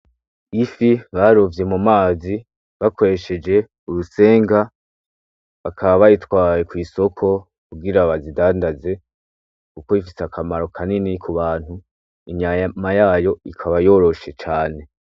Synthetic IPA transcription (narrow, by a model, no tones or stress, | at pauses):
ifiβaɾovje̞mumaːzi | βakʰo̞ɾe̞ʃe̞d͡ʒe̞ | uɾuse̞ːŋɡa | βakʰaβaβajitwaːje̞kwiːso̞kʰo̞ | kuɡiɾaβazidaːndaze̞ | kuko̞ifiseakʰamaɾo̞kʰaninikʰuβaːn̥hu | iɲajamajaːjo̞ikʰaβajo̞ːɾo̞ʃe̞t͡ʃaːne̞